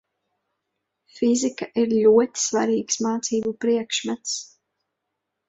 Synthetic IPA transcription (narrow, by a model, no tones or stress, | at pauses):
fizikaʔiɾlʲuɔt̪i̥sva̰ɾiːksmaːt̪siːbupɾiɛkʃmɛt̪s